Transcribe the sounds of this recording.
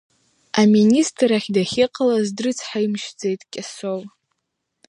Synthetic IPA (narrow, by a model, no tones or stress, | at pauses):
aministʰʼraχʲdaχʲɪqʼalazdrɨt͡sʰħaimʃd͡zejtʼkʲʼasow